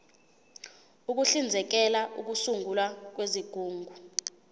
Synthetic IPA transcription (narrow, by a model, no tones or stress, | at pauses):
uk̬uɬind͡zʱɛk̬ɛlaʔuk̬usuŋɡʱulwak̬weziɡ̥ʱuːŋɡʱu